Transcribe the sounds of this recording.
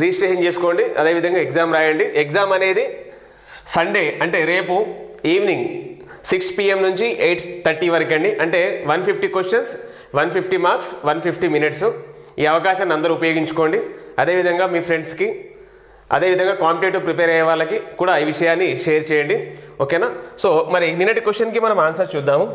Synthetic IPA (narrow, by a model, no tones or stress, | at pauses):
ɾiːsʈeːʃɐnt͡ʃeːsu̥ko̞ːɳɖiɐ̰d̪e̞ːʋid̪ʱɐŋɡaːɛɡzaːmɾaːjɐɳɖiʔekzaːmɐne̞ːd̪i | sɐɳɖe̞ːɐɳʈe̞ːɾe̞ːpuiːʋniŋɡ | sikspiːemnuɲt͡ʃiʔejʈt̪ʰɐɾʈiːʋɐɾk̬ɐɳɖiʔɐɳʈe̞ːʋɐnpʰipʰʈikwesʈɐns | ʋɐnpʰipʰʈimaːɾksʋɐnpʰipʰʈiminiʈsu | iːɐʋɐkaːʃɐnːɐnd̪ɐɾuupɐjo̞ːɡiɲt͡ʃu̥ko̞ːɳɖiɐd̪eːʋid̪ʱɐŋɡaːmiːpʰɾe̞ɳɖski | ɐ̰d̪eːʋid̪ʱɐŋɡaːkaːmpiʈeːʈupɾipeːɾɐjɐʋaːɭlɐkikuːɽaːiːʋiʂɐjaːnːiʃeːɐɾt͡ʃɛːjɐɳɖiokeːnaːso̞ːmɐɾininːɐʈikʋesʈt͡ʃːɐnk̬imɐnɐmaːnsɐɾt͡ʃuːd̪ːaːmu